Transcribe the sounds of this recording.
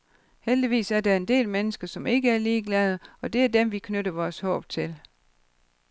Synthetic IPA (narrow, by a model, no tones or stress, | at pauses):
held̥iʋḭːsæɐd̥ɑ̈e̝nd̥e̝̰ːlmenəsɡ̥ɐsɒ̽me̝ɡ̥əæɐliːɡ̥lɛð̞ˠɒ̽d̥e̝æɐd̥emʋikʰnøɾɐʋɒːshɔ̰̽ːb̥t͡sʰe̝l